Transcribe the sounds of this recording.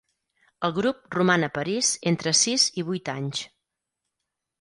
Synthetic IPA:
əlˠɣɾup̚rumanəpəɾizent̪ɾəsiziβ̞ujt̪aɲs

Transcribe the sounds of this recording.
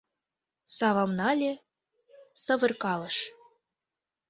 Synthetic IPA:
sɑβɑmnɑlʲe | sɤ̆βɤ̆rkɑlɤ̆ʃ

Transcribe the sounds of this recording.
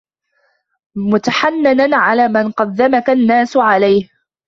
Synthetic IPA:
mʊt̪aħanːananʕalaːmanqɑd̪ːamakanːaːsʊʕalajh

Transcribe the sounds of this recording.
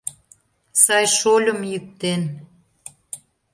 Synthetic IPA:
sɑjʃolʲə̆mjyk̚t̪en

